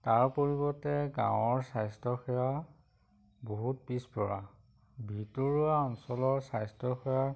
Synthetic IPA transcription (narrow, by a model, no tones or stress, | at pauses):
taɹpoɹibɔtɛɡã̰wɔɹsajstɔxɛja | boɦut̚pispɔɹa̰ | bʱitɔɹuaɔnsɔlɔɹsajstɔxɛja